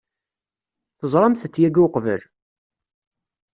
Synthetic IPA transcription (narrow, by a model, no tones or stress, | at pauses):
θəzˤɾˤɑmθət͡sːjæɡuʊqvə̰l